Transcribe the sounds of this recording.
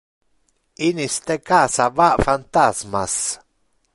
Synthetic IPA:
inist̪ekaːsavaʔfant̪azmas

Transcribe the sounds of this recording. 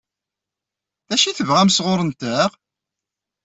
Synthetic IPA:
θæʃiθəvʁæmsʁoɾˤənt̪æʁ

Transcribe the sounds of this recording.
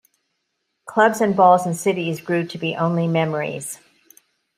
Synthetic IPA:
kʰl̥ʌbzɨ̃nbɔlˠz̃n̩sɪɾizɡɹʉɾɨbiʔõʊ̃nlimɛmə˞ḭz̥

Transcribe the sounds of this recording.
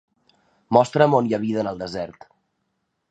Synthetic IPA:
mɔst̪ɾəmonjəβiðəːnəlˠd̪əzɛɾt̪

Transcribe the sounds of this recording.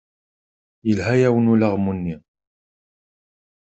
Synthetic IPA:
jəlɦæjæwənulaʁmunːi

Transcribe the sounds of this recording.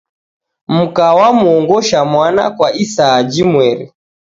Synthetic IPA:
m̩kawamuɔŋɡɔʃamwana̰kwaʔisaːd͡ʒimwɛɾḭ

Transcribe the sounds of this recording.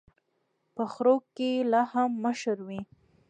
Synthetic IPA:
pəxɾokːelɑhamːəʃəɾwi

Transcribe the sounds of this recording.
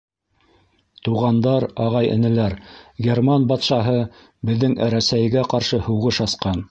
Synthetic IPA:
t̪uʁɑnd̪ɑɾɑʁɑjʔɘ̰̆nɘ̆læɾɡʲermɑnbɑt̪ʃɑɦɤ | bɘ̆ðːɘŋɾæsæjɡæqɑɾʃɤhŭʁɤʃɑsqɑn

